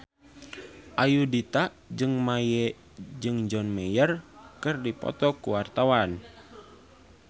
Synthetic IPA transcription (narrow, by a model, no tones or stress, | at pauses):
ʔajudit̪aʔd͡ʒɨŋmajɛ | d͡ʒɨŋd͡ʒɔnmɛjərkɨrdipɔ̰t̪ɔkuwart̪awan